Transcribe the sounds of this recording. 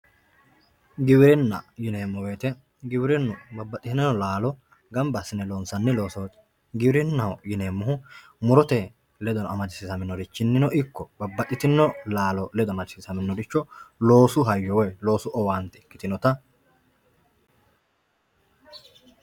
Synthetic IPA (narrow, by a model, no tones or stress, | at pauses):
ɡɪwɪɾɪnːɐ̰jɪneːmːɔwe̞ːt̪ɛ | ɡɪwɪɾɛnːʊbɐbːɐt̪ʼːɪt̪ɪnɐnːɔlaːlɔ | ɡɐmbɐsːɪnɛloːnsɐnːɛlo̞ːsɔwt̪ | ɡɪbɾɪnːɐwɔjɪneːmːʊhʊ | mʊɾɔt̪ɛ | lɛd̪ɔnɔɐmɐd͡ʒɪsɪsɐmɪnːɔd̪ɪt͡ʃːɪnːɪnɔʔɪkːɔbɐbːɐt̪ʼːɪt̪ɪnːɔlaːlɔlɛd̪ɔmɐd͡ʒɪ̥sɪsɐmɪnːɔd̪ɪt͡ʃːɔlo̞ːsʊɦɐjːɔwɛjlo̞ːsʊʔɔwaːnt̪ɛkːɪt̪ɪnɔt̪ɐ